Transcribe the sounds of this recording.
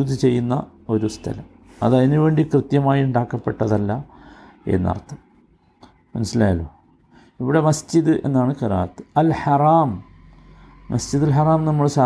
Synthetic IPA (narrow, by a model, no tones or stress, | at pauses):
ud̪it͡ɕe̞jːunːɐ̰ | o̞ɾust̪ʰɐ̰lɐm | ɐðɐðinuʋe̞ːɳɖikrɨt̪jɐmaːjiuɳɖaːkːɐpːe̞ʈːɐðɐlːɐ | ḛnːɐ̰rt̪ʰːɐm | mɐnusːilaːjɐloː | iʋiɽe̞mɐsd͡ʑiðɨʔe̞nːaːɳɨkɐɾa̰ːt̪ːɨ̥ɐlħɐraːm | mɐsd͡ʑiðilħaraːmnɐmːɐɭsaː